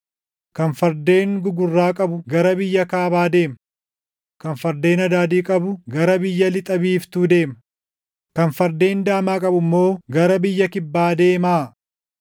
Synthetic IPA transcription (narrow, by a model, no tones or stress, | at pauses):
kɐnfɐɾd̪e̞ːŋɡʊɡʊrːaːkʼɐbʊɡɐɾɐbɪjːɐkaːbaːd̪e̞ːmɐ | kɐnfɐɾd̪e̞ːnɐd̪aːd̪iːkʼɐbʊɡɐɾɐbɪjːɐlɪt̪ʼɐbiːft̪uːd̪e̞ːmɐ | kɐnfɐɾd̪e̞ːnd̪aːmaːkʼɐbʊmːo̞ːɡɐɾɐbɪjːɐkɪbːaːd̪e̞ːmaː